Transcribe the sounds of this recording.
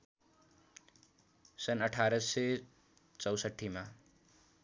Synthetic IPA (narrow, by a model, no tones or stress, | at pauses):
sʌnʌʈʰaɾʌse | t͡sʌwsʌʈʰːima